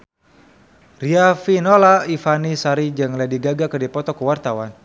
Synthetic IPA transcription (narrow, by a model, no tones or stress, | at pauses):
riafinolaifanisaɾid͡ʒəŋladiɡaɡakərdipɔt̪ɔkəwart̪awan